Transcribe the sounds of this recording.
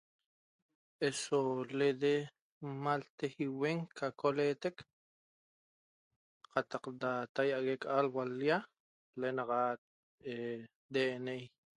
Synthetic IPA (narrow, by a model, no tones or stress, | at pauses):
ʔesoled̪e | malt̪ehiweŋkʰakoleːt̪ek | qɑt̪ɑqd̪at̪ajaʔɣekʔalwalja | lenɑqa | e | d̪eːʔnej